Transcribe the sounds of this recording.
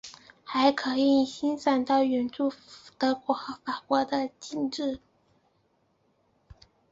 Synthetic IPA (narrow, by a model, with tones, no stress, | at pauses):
xa˧˥ɪkʰɤ˧˥˧i˩˧i˨˩ɕi˥nsa˨˩nt̪ɑ˥˩ʊɥɛ˧˥nt͡su˥˩t̪ə˥kwɔ˧˩xɤ˧˥fa˨˩kwɔ˧˥d̪ə˧t͡ɕi˥˧nʈ͡ʂɻ̩˥˩